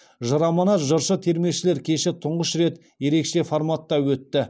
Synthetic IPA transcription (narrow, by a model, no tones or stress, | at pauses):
ʒɑɾɑmɑnɑʒəɾʃət̪ʰe̞ɾmewʃɪle̞ɾkʲʰe̞ʃɪt̪ʰʊɴʁəʃɾe̞t̪ | je̞ɾe̞kʃe̞foɾmat̪ːɑwɵt̪ːɪ